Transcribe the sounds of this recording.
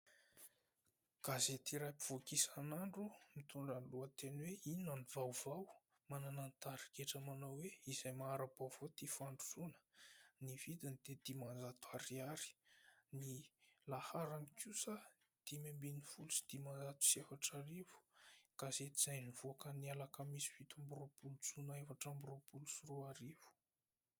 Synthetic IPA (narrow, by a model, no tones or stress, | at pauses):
ɡ̥azet̪iɾajpi̥v̥okisanaɳɖ͡ʐumit̪uɳɖ͡ʐanluat̪enweinanivawv̥aw | mananant̪aɾikeʈ͡ʂamanawweizajmaɾab̥av̥ot̪ifaɳɖ͡ʐuzunə̥nivid̪anid̪̥ed̪̥imanzat̪aɾiaɾi̥nilahaɾanikusa | d̪̥imembinifulusi̥d̪̥imanzat̪u̥siefaʈ͡ʂaɾivu̥kazeizajnivuakənialakəmisi̥v̥it̪amburopulut͡sunaefaʈ͡ʂamburopulusuruaɾivu̥